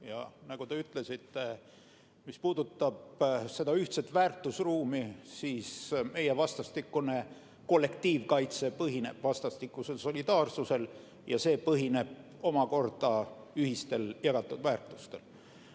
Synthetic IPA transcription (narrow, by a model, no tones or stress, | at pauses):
jɑ̰nɑɡ̥ut̪e̞yt̪ˑle̞sit̪ːˑe̞ | mispuːd̪̥ut̪ːˑɑb̥se̞d̪̥ɑyht̪se̞t̪væːrt̪ːˑusruːmisiːsme̞jevɑst̪ɑst̪ikːˑune̞ | ko̞lːe̞kt̪iːvkɑjt̪se̞pɤɦine̞b̥vɑst̪ɑst̪ikːˑuse̞lso̞lʲid̪̥ɑːrsuse̞l | jɑse̞ːpɤɦine̞b̥̚ | o̞mɑko̞rd̪̥ɑ | yɦist̪e̞ljɑɡ̥ɑt̪ːˑud̪̥væːrt̪ˑust̪e̞l